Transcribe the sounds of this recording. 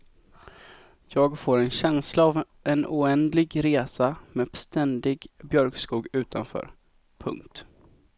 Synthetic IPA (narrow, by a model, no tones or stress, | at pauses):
jɑːɡfoːɾɛnɕɛnslaːv | ʔɛnʊɛnd̪lɪɡɾeːsameːst̪ɛnd̪ɪɡbjœɾkskuːɡʉ̟ːt̪ʰanfœ̰ːɾ | pʰɵ̰ŋkt̪